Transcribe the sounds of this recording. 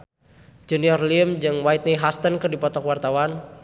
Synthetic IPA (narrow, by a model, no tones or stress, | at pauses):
d͡ʒuniɔrliəmd͡ʒɨŋwait̪̚niɦast̪ənkɨrdipɔt̪ɔkwart̪awan